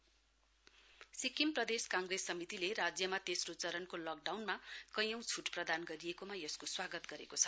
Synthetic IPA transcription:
sikimprʌd̪eskãŋɡresːʌmit̪ilerad͡zjʌmat̪esrot͡sʌɾʌnkolʌk̚ɖawnmakʌjʌ̃w̃t͡sʰuʈprʌd̪anɡʌɾijekomajʌskoswaɡʌt̪ɡʌɾekot͡sʰʌ̥

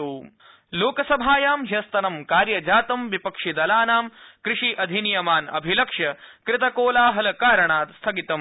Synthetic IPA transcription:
uː | loːkɐsɐbʱaːjaːmɦjɐst̪ɐnɐmkaːɾjɐd͡ʒaːt̪ɐmʋipɐkʂid̪ɐlaːnaːmkɾɪʂiʔɐd̪ʱinjɐmaːnɐ̰bʱilɐkʂɐkɾɪt̪ɐkoːlaːɦɐlɐkaːɾɐɳaːt̪st̪ʰɐɡit̪ɐm

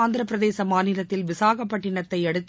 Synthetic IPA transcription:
aːnd̪ɯɾɐpːɪɾɐðeːsɐmaːnɪlɐt̪ːɪlʋɪsaːɣɐpːɐʈːɪɳɐt̪ːɐɪɛɽɯt̪ː

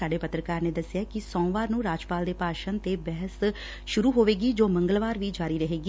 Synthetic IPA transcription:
aːɖeːpət̪ɾəkaːɾneːd̪əsːɪjaːkɪsɔ̃ːʋaːɾnũːɾaːd͡ʒpaːld̪eːpaːʃənt̪eːbɛɦəs | ʃʊɾuːɦoːʋeːɡiːd͡ʒoːməŋɡəlʋaːɾʋiːd͡ʒaːɾiːɾəɦeːɡi

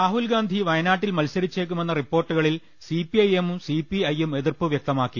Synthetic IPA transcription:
raːɦulɡaːnd̪ʱiʋɐjɐnaːʈːilmɐlsɐɾit͡ɕːeːk̬ːume̞nːɐripːo̞ːrʈːuɣɐɭil | sipiɐjemusipiɐjeme̞ðirpɨʋjɐk̚t̪ɐmaːkːi

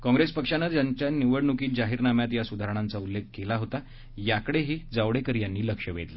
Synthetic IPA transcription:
kɔ̃ŋɡɾespəkʂanəjaɲt͡ɕjaniʋəɽɳukiːt̪̚d͡ʑaɦiːɾnamjat̪jasud̪ʱaɾəɳ̃ant͡saulːek̚kelaɦot̪a | jakəɽeɦiːd͡zaʋɽekəɾjanːiːləkʂəʋḛd̪la

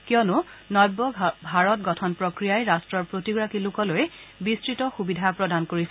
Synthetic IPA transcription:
kiɔnʊnɔjbːɔbʱaɹɔt̚ɡɔtʰɔnpɹokɹijajɹastɹɔɹpɹotiɡɹakilʊkɔlojbistɹitɔxubidʱapɹɔdankoɹisɛ

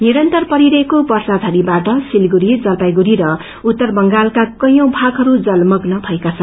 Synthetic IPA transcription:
niɾʌnt̪ʌrpʌɾiɾʌekopʌrsad͡z̪ʱaɾibaʈʌsilɡuɾid͡zʌlpajɡuɾiɾʌ | ut̪ːʌrbʌŋɡalkakʌjõw̃bʱaɡɦʌɾud͡zʌlmʌɡnʌbʱʌekat͡sʰʌn

